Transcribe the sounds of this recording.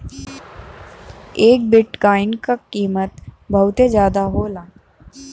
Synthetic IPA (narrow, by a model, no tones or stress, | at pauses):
eːk̚bɪʈkaːɪnkakiːmət̪bʱɐʊt̪ezjaːd̪aɦoːlaː